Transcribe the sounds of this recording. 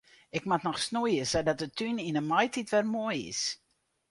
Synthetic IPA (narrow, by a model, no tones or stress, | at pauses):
ɪkmatnɔxsnujəsədɔtətʰyninəmɔjtitʋɛrmojɪ̰s